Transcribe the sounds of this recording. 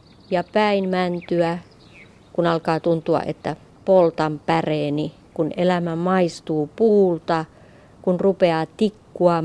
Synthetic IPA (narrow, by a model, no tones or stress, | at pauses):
jɑpæinmænt̪yæ | kunɑlkɑːt̪unt̪uɑ̰ʔḛt̪ːæ | polt̪ɑmpæreːni | kunelæmæmɑist̪uːpuːlt̪ɑ | kunrupeɑːt̪ikːuɑ